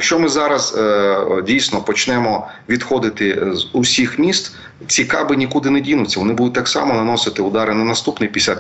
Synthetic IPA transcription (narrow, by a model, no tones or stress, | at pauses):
jɐkʃt͡ʃɔmɪzɑɾɐz | dʲijsʲnɔpɔt͡ʃnɛmɔ | ʋʲid̪xɔd̪ɪt̪ɪzʊsʲixmʲist̪ | t͡sʲikɑbɪnʲikud̪ɪnɛdʲinʊt͡sʲːɐʋɔnɪbud̪ʊt̚ʲt̪ɑksɑ̰mɔnɐnɔsɪt̪ɪʊd̪ɑɾɪnɐnɐst̪upnɪjpʲisʲɐ